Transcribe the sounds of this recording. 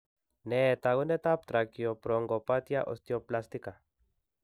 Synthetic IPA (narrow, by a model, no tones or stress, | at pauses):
net̪aɣonet̪ap̚t̪ɾakiopɾoŋɡopat̪jaʔo̰st̪joplast̪ika